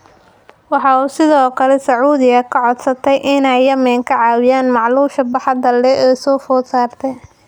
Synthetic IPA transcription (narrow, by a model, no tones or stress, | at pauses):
wɑħɑuːsɪðɔːkʰɐlɛsɐʕuːðɪɣɐkʰɐʕɔd̪sɐt̪ʰɛjʔɪnɛjːɐmɛːŋkʰɐʕɑːwɪjaːnmɑʕluːʃɐbɑħɑd̪ɐlːɛʔɛːsɔːfɔːd̪saːrt̪ʰɛj